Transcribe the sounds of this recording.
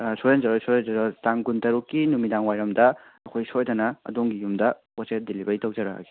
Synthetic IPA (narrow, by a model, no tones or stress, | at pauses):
sojand͡ʒɐɾɔsojɔnd͡ʒɐɾɔtaŋɡuntɐɾukːinumidaŋwajɾɐmdɐ | ɐkʰojsojdɐnɐɐ̰doŋɡijumdɐ | pɔsedelibɐɾitɐwd͡ʒɐɾaɦa̰ɡi̥